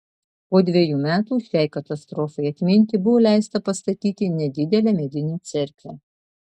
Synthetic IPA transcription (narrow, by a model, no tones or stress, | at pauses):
poːd̪ʲʋʲiɛjuːmʲæːt̪uːˑʃʲɛɪkɐt̪ɐst̪ɾɔːfɐɪɐt̪ʲmʲɪnʲt̪ʲɪbʊʋoːlʲæˑɪst̪ɐpɐst̪ɐt̪ʲiːt̪ʲɪnʲɛd̪ʲɪd̪ʲɛlʲɛmʲɛd̪ʲɪnʲiːt̪sʲɛɾʲklʲæ